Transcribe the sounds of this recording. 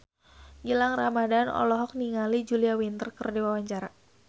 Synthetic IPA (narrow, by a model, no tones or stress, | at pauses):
ɡilaŋramadanɔ̰lɔɦɔk̚niŋalid͡ʒuliawint̪ərkərdiwawaɲt͡ʃaɾa